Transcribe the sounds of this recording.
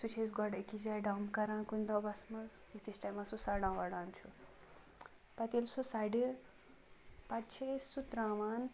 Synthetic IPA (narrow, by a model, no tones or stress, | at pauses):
sut͡ʃʰezɡɔɽekid͡ʒaːjɖawmkɐɾãːnkunʲd̪ɔbɐsmɐz | jit̪ʰisʈajmasusaɽãːʋɐɽaːnt͡ʃʰu | pɐt̪ilsusaɖi | pɐt͡ʃʰesut̪ɾãːʋaːn